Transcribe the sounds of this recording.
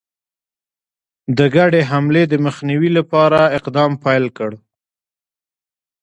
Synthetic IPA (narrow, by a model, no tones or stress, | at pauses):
d̪əɡaɖeɦamled̪əməxniwilapɑɾaɪqd̪ɑmpajlkəɽ